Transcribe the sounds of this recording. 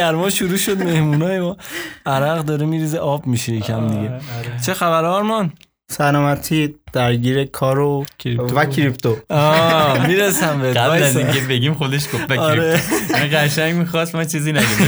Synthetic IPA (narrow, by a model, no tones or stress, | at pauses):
æɾmɒːʃuɾuːʃod̪me̞hmunɒːjemɔːæɾæɣd̪ɒːɾemiɾiːzeʔɒːbmiʃejecʰæmd̪iɡe̞t͡ʃʰe̞xæβæɾːɾmɒn | sænɒːmæt̪ʰid̪̥æɾɟiːɾekʰɒːɾovækʰɾipt̪ʰoɒmiːɾesæmbeɡælæziŋkʰebe̞ɡimxod̪eʃɡovæɒɾemiʁæʃæɲɟmixɒst̪mɒt͡ʃʰiːzinæd̪im